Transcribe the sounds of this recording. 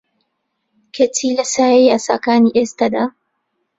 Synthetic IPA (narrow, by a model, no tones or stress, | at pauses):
kʰetʰiːlɐsaːjejasa̰kaːniʔɛst̪ɐd̪a